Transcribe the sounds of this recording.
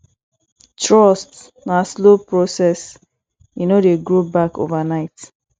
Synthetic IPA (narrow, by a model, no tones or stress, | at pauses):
tɹɔst | naslopɹosɛs | inodeɡɹobako̰vanaɪt